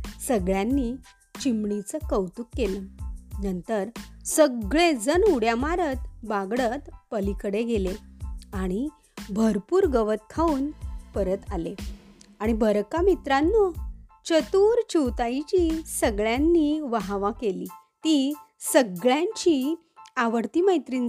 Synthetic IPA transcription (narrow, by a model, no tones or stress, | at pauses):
səɡɭjanːi | t͡ɕimɳit͡səkəwt̪ukːelənənt̪əɾsəɡɭed͡zənuɽjamaɾət̪baɡɽət̪pəlikəɽeɡʱeleaɽ̃i | bʱəɾpuːɾɡəʋət̪̚kʰauːnpəɾət̪aleaɽ̃ibʱəɾkamit̪ɾanːot͡ɕət̪uːɾt͡ɕiwt̪ajt͡ɕisəɡɭjanːiʋaɦaʋakeliː | t̪i | səɡɭjãɲt͡ɕi | aʋəɽt̪iməjt̪ɾin